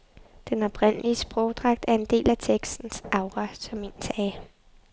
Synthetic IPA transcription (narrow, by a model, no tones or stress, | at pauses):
d̥enɒ̽b̥ʰʁen̰əliəsb̥ʁɔʊd̥ʁɑ̈ɡ̥̚d̥æɐe̝nd̥e̝̰ːlæt͡sʰeɡ̥sd̥n̩sʔɑ̈ʊʁɑsɒ̽me̝nsɛː